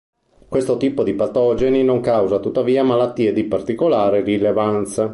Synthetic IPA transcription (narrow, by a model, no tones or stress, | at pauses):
kwest̪ot̪iːpod̪ipat̪ɔd͡ʒeninoŋkawzat̪ut̪ːaviːamalat̪ːiːed̪ipart̪ikolaːɾerilevant̪sa